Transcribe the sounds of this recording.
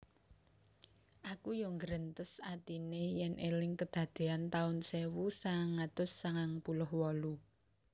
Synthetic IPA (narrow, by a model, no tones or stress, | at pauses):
ʔakujɔŋɡəɾənt̪əsat̪inejɛnʔelɪŋkəd̪̥ä̤d̪̥e̤ant̪aʊnsewusaŋaŋːat̪ʊsːaŋaŋpulʊhwɔlu